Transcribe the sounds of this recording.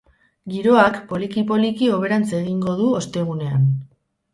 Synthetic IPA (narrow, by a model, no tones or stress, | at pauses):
ɡiɾo̞akpo̞likipo̞likio̞β̞e̞ɾant͡seɣ̞iŋɡo̞ðuost̪e̞ɣ̞une̞an